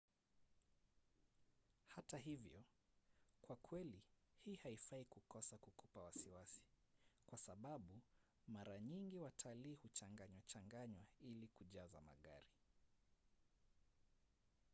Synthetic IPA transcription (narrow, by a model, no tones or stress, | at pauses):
hataɦivjɔ | kwakʰwɛlihiːhaifaikukɔsakukupawasiwasi̥ | kwasaɓaɓu | maɾaɲiŋɡiwatʰaliːhut͡ʃaŋɡaɲwat͡ʃaŋɡaɲwailikuʄaza̰ma̰ɠa̰ɾi